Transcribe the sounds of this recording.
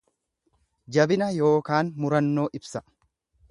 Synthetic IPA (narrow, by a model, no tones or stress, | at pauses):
d͡ʒɐbɪnɐjo̞ːkaːnmʊɾɐnːo̞ːʔɪbsɐ